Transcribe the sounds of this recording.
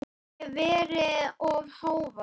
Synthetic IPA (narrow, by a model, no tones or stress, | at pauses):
vɛːɾɪɔvhaːwva